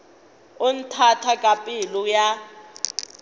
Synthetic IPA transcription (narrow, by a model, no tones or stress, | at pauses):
ʊn̩tʰatʰakʼapʼiluja